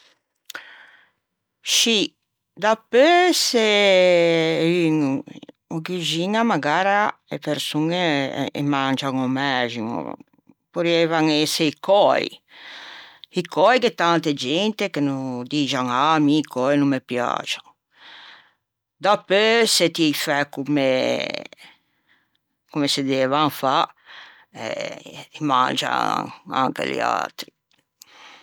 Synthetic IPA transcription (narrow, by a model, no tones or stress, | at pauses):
ʃi | d̪apøse | yŋ | oɡyd͡ʒiŋamaɡaːɾaepeɾsuŋeḛmand͡ʒaŋomɛʒiŋo̰ | poɾɛvaŋɛseikʰɔj | ikʰɔjket̪ant̪ed͡ʒɛnt̪ekenud̪id͡ʒaŋamikɔjnumːepja̰t͡ʃaŋ | d̪apːøset̪ifɛkume | kumesed̪eːvaŋfa | ɛ̰ema̰nd͡ʒa̰a̰ŋkḛlḭa̰lt̪ɾi